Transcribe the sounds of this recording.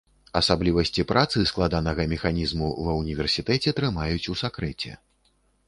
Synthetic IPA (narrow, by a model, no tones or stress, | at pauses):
ɐsablʲivɐsʲt͡sʲipɾʔat̪sɨsklˠad̪anɐɣɐmʲɛxanʲizmuvɐwnʲivʲɛrsʲit̪ɛt͡sʲɛt̪ɾɨmajut͡sʲusakɾɛt͡sʲɛ̰